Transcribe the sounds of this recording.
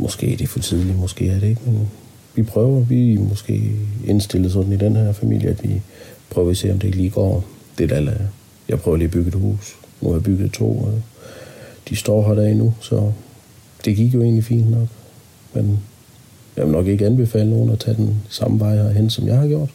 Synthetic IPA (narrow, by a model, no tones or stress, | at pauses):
mʔɒ̽sɡ̥e̝̰ːd̥e̝fɒt͡sʰið̞ˠlimɒ̽sɡ̥e̝̰ːæɐɾee̝ɡ̥men | ʋipʰʁœːʊɐʋimɒ̽sɡ̥e̝̰ːe̝nsd̥e̝lð̩ˠs̬ɒ̽d̥n̩id̥enhæɐfæmḭl̰jəæd̥ʋipʰʁœːʊɐise̝̰ːɒ̽md̥e̝e̝ɡ̥liːɡ̥ɒ̰ːd̥e̝d̥ælæ | jɑ̈ɪpʰʁœːʊɐliːb̥yɡ̥ð̩ˠhṵːs | nṵɑ̈jb̥yɡ̥ð̞̩ˠt͡sʰo̝̰ːɒ | d̥isd̥ɒ̰ːɦɑɾæɐ̰inusɒ̽ | d̥e̝ɡ̥iɡ̥jo̝e̝̰ːnlifḭːnd̥nɒ̽ɡ̥ | men | jɑʋelnɒ̽ɡ̥e̝ɡ̥əænb̥e̝fɛ̰ːləno̝ːn̩ɒt͡sʰɛd̥ensɑ̈mʋɑ̈ɪ̰ɐɦen̰sɒ̽mjɑ̈ɪhɑ̈ɡ̥jo̝ɐ̰d̥